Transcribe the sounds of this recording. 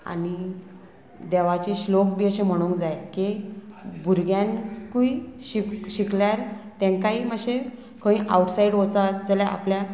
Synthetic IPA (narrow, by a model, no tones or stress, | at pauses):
a̰ni | d̪eʋat͡ɕiɕlok̚biːəɕẽm̤əɽ̃ũŋkd͡zajke | bʱuɾɡjãnkuiɕikɕikljaɾt̪ẽŋkaiːməɕe | kʰə̃ĩʔa̰uʈsaiɽʋot͡sad͡zəljaʔa̰plja